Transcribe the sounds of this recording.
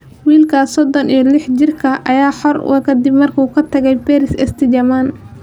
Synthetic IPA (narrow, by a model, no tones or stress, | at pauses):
wiːlkʰasɔd̪ɔnijɔlɪħd͡ʒɪrkʰɐʔɐjaːħɔrkʰɐd̪ɪbmɐrkʰuːkʰɐt̪ʰɐɣɛjbɛɾɪsɛst̪ʰɪd͡ʒɐman